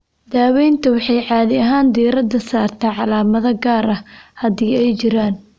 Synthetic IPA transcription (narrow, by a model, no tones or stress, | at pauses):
d̪aːwɛjnt̪ʰɐwɑħɑjʕɑːðɪɐɦaːnd̪iːɾɐd̪ɐsaːrt̪ʰɛʕɑlaːmɐðɐɡaːɾɐhɐðiːɛjt͡ʃɪɾaːn